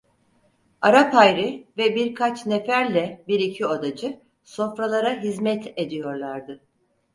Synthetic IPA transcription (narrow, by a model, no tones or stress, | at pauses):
aɾapajɾɪvɛbiɾkʰat͡ʃnefæɾlʲɛbiɾicʰiod̪ad͡ʒɯ | so̞fɾalˠaɾaɦizmɛt̪ʰe̞d̪ijo̞ɾlˠaɾd̪ɯ